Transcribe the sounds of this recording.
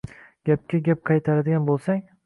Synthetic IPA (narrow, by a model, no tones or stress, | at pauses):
ɡ̥ʲap̚kʲʰaɡʲap̚qʰɑjt̪ʰaɾad̪ɪɡʲanbolˠsaŋ